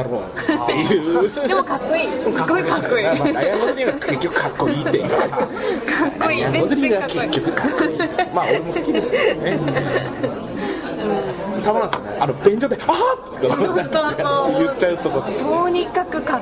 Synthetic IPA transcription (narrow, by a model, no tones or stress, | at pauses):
aɾo̰ːt̪ːejɯd̪emokakːoiːaoakːoiajaɡozoɾʲiŋɡakekʲːokɯ̟kakːo̞iːt̪ːej | kakkːoiaɡozɨɾʲiɡake̞kʲːo̞kɯ̟kʰakːoimaːo̞ɾemo̞sɨ̥kʲid̪e̞sɨ̥ene | ɯ̟̃t̪abanãsɨkaneʔanob̥ẽ̞ɲ̟d͡ʑod̪eat̪ːk̪a | jɯt͡ɕːaɯ̟t̪okot̪ooːɲ̟ikakɯ̟ka